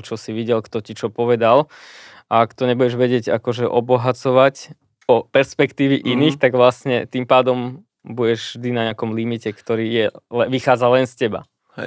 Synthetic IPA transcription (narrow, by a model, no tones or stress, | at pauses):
t͡ʃɔsiʋiɟɛlkt̪ɔcit͡ʃɔpɔʋɛd̪al | ʔaːkt̪ɔɲɛbuɟɛʒʋɛɟɪɛɟakɔʒɛʔɔbɔɦat͡sɔʋac | pɔpɛɾspɛkt̪iːʋiʔiniːxt̪aɡʋlasɲɛt̪impaːd̪ɔm | buɟɛʒvʒd̪inaɲɪakɔmlimicɛkt̪ɔɾiːjɛɛʋixaːd͡zalɛnscɛba̰